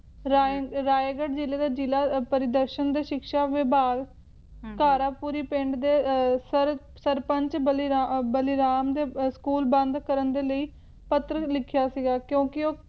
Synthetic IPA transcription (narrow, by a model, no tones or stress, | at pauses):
ɾaɾaːeɡəʈd͡ʒɪleːd̪aːd͡ʒilaːpəɾɪd̪əɾʃənd̪eːʃɪkʃaːʋɪbaːɡ | kaːɾaːpuːɾiːpɪ̃ɳɖd̪eːsəɾ | səɾpəɲt͡ʃbliabəlɪɾaːmd̪eːskuːlbə̃nd̪kəɾənd̪eːləiː | pət̪ɾəlɪkʰjaːsiɡaːkjõːkɪoː